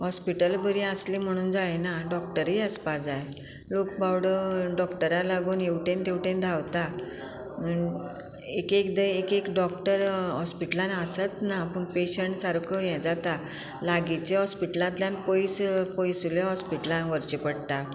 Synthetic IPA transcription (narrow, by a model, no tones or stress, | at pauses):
hɔspiʈəlbəɾiəslim̤əɽ̃uːnd͡zajenaɖɔkʈəɾiəspad͡zaje | lokbawɽəɖɔkʈəɾalaɡuːnewʈẽnt̪eʋʈẽnd̪ʱawt̪a | ekekd̪əekekɖɔkʈəɾɦɔspiʈəlãnəsət̪napəɳpeɕəɳʈsaɾkʰəjɛ̃d͡zat̪a | laɡit͡ɕeɦɔspiʈəlãt̪ljãnpojspɔjsuleɦɔspiʈəlãnʋəɾt͡ɕepəɽt̪a